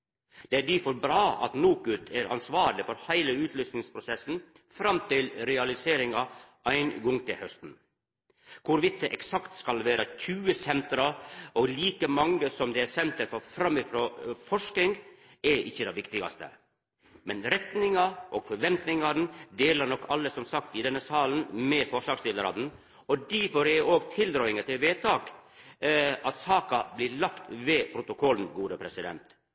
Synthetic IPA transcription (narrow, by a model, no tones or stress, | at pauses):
d̪̥ɛæɖ̪ifɔɾbɾɑːɑ̰t̪noːkʉt̪ʰːæɾɑ̰nsʋɑːɾlɪfɔɾhæɪləʉːt̪ʰlyːsnɪŋspʰɾʊsɛsn̩ | fɾɑmt̪ɪlɾɛɑlɪseːɾɪŋɑ | æɪnɡɔŋt̪ʰɪlhœst̪n̩ | kʰʊɾʋɪt̪̚d̪ɛʔɛksɑkt̪skɑlʋæːɾɑçʰʉːəsɛnt̪ɾɑoːɡliːkəmɑŋːəsɔmd̪ɛæɾsɛnt̪əɾfɔɾfɾɑmːɪfɾoːfɔʂkɪŋɡ | ɛɾʔɪ̰çːəd̪ɛʋɪkt̪ɪɡɑ̰st̪ə̰ | mɛnɾɛt̪nɪŋɑʔɔɡfɔɾʋɛnt̪nɪŋɑd̪nd̪eːləɾnɔkːɑlːəsɔmsɑkt̪ɪd̪ɛnːəsɑːln̩mɛfɔʂɑːɡst̪ɪləɾɑ̰d̪n̩ | ɔd̪ɛfɔɾɛoːɡt̪ʰɪld̪ɾɑːɪŋət̪ɪlʋeːt̪ʰɑːk | ʔɑt̪sɑːkɑblɪɭɑkt̪ʋɛpʰɾʊt̪ʊkʰɔln̩ɡuːd̪əpʰɾɛsɪd̪ɛ̰nt̪